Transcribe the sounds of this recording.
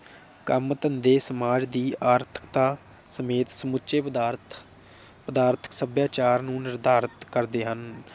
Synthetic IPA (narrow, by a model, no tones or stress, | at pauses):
kəmt̪ənd̪eːsəmaːd͡ʒd̪iːaːɾt̪ʰə̥kt̪aː | səmeːt̪səmʊtːʃeːɾ | pəd̪aːɾt̪ʰə̥ksəbjaːt͡ʃaːɾnũːnɪɾd̪aːɾət̪kəɾd̪eːɦən